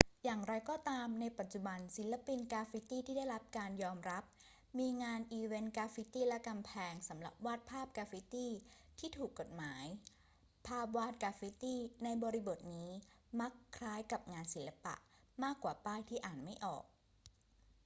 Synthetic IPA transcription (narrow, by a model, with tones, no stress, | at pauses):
jaː˨˩ŋɾa˧jkɔː˥˩t̪aː˧mna˧jpa˨˩t̪̚t͡ɕu˨˩ba˧nsi˩˦nla˧pi˧nkaː˧fi˦˥t̪iː˥˩t̪ʰiː˥˩da˥˩jɾa˦˥p̚kaː˧njɔː˧mɾa˦˥p̚ | miː˧ŋaː˧nʔiː˧we˦˥nkaː˧˥fi˦˥t̪iː˥˩lɛ˦˥ka˧mpʰɛː˧ŋsa˩˦mla̰˨˩p̚waː˥˩t̪̚pʰaː˥˩p̚kaː˧fi˦˥t̪iː˥˩t̪ʰiː˥˩t̪ʰuː˨˩kːo˨˩t̪̚maː˩˦j | pʰaː˥˩p̚waː˥˩t̪̚kaː˧fi˦˥t̪iː˥˩na˧jbɔː˧ɾi˧bo˨˩t̪̚niː˦˥ma˦˥kʰːɾaː˦˥jka˨˩p̚ŋaː˧nsi˩˦la˧pa̰˨˩ʔ | maː˥˩kːwaː˨˩paː˥˩jt̪ʰiː˥˩ʔaː˨˩nma˥˩jʔɔ̰ː˨˩k̚